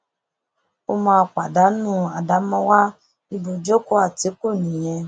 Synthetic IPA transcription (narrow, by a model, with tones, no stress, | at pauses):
o˦mãː˧k͡pa˨da˨˦nũ˦˨a˨da˨˦mɔ̃˦wa˦ | i˧bo˨d͡ʒo˦ko˦a˦˨ti˨˦ko˦˨nĩ˨jɛ̃˧